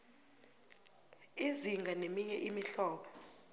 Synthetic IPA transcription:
iziŋɡʱanemiɲɛʔimiɬɔːɓɔ

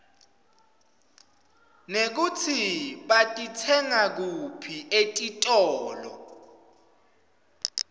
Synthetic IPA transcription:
nek̬ut͡sʰiɓatʼitʰɛŋak̬upʰietʼitʼɔːlɔ̰

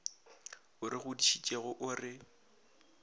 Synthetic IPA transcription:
ʊɾɪɣʊdiʃit͡ʃʼeɣʊʔʊrɪ

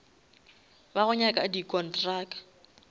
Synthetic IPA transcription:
baɣʊɲakʼadikʼɔntraːkʼḁ

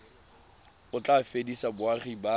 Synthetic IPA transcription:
ʊt͡ɬʼafedisabʊaχiba

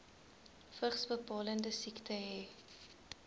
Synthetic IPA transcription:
fəχsbəpɑːləndəsiktʰəɦɛː

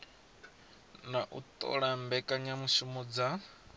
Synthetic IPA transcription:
naʔṵt̪ʼɔ̰ɺambɛkʼaɲamuʃumud͡za

